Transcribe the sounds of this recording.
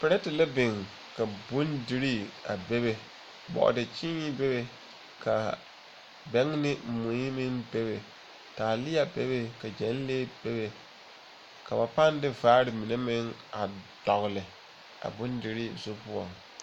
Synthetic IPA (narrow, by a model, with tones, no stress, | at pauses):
pɪ˨ɾɛ˦tɪ˨la˦bɪ˨ŋ | ka˨bʊ˦ndɪ˦ɾi˦a̰˨be˦be˦ | bɔ̰˨ʔdɪ˨t͡ʃi˦ɲi˦be˦be˨ | ka˨ | bɛ˦ŋnɪ˦mʊ˨˦i˦mɪ˦ŋbe˦be˨ | taː˨lɪ˦a˨be˦be˦ka˨d͡ʒɛ˨˦n˦leː˦b̥e˦be˨ | ka˨ba˨pa˦n˦dɪ˦vaː˦ɾɪ˨mi˨ne˦mɪ˦ŋa˨d̥ɔ˨ɣlɪ˨ | a̰˨bʊ˦ndɪ˨ɾi˦zo˦pʊ˦ɔ̰˨ŋ